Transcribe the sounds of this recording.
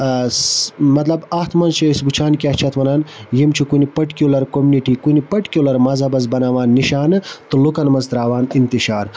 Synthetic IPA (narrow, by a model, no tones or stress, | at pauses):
smɐt̪lɐbɐht̪mɐnt͡ʃʰɐisbut͡ʃʰaːnkʲɐht͡ʃʰɐt̪ʋɐnaːnjimt͡ʃʰikunipɐʈkʲulɐɾkomuniʈiːkunipɐʈkʲiulɐɾmɐzɐbɐz̬bɐnaːʋaːnːiʃaːnɨt̪ulukɐnmɐzt̪ɾaːʋaːnint̪iʃaːɾ